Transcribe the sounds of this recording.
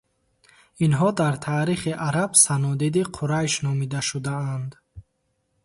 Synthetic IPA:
inɦɔd̪aɾt̪ʰaːɾiχiʔaɾabsanɔd̪id̪iqʰuɾajʃnɔmid̪aʃud̪aand̪

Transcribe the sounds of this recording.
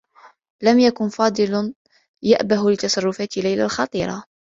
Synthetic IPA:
lamjakʊnfɑːd̪ˤɨln | jaʔbaɦlɪt̪ɑsˤɑrˤːʊfaːt̪ɪlːajlalxɑt̪ˤiːɾˤɑ̰

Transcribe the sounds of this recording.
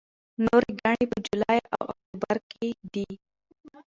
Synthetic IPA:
noɾiɡaɳipəd͡ʒulajawʔa̰k̚t̪ubaɾkʰed̪i

